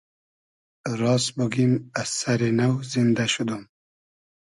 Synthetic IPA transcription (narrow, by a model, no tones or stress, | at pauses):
ɾɑːsbuɡimasaɾinawzind̪aʃud̪um